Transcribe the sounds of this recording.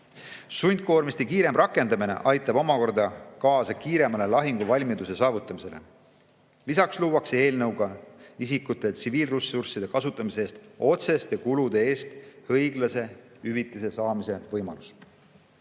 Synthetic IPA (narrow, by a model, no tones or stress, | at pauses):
sunʲd̪̚ko̞ːrmist̪ikiːɾe̞mrʔɑkːˑe̞nd̪ɑmine̞̰ʔɑjt̪ːˑɑb̥o̞mɑko̞rd̪ɑkɑːsɑkiːɾe̞mɑle̞lɑɦiŋɡ̥uvɑlʲmid̪use̞sɑːvut̪ˑːɑmise̞le | lisɑksluːwɑkse̞ːlnɤwɡ̥ɑisikːut̪ːˑe̞t̪siviːlrusursid̪̥e̞kɑsut̪ˑːɑmise̞eːst̪o̞t̪se̞st̪jɑkulud̪̥e̞e̞ːst̪hɤjɡ̥lɑse̞ | yvit̪ːˑis̬e̞sɑːmise̞vɤjmɑ̰lus